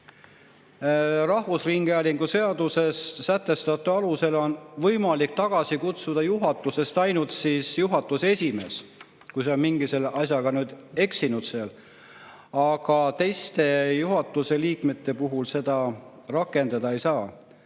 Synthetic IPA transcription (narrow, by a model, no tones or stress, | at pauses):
rɑhvusriŋɡ̥eælʲiŋɡ̥use̞ɑd̪use̞st̪ːæt̪ːe̞st̪ɑt̪ːˑuɑluse̞lo̞nvɤjmɑlik̚t̪ɑɡ̥ɑsikut̪sud̪̥ɑjuɦɑt̪ːˑuse̞st̪ɑjnult̪siːsjuɦɑt̪ːˑuse̞sʲime̞ːs | kujseo̞nmiŋɡ̥ise̞lɑsʲjɑɡ̥ɑnyːd̪̥e̞ksinud̪̥seɑl | ɑɡ̥ɑt̪e̞jst̪e̞juɦɑt̪ːˑuse̞liːkme̞t̪ːˑe̞puɦulse̞d̪̥ɑ | rɑkːˑe̞nd̪̥ɑd̪ɑe̞jsɑː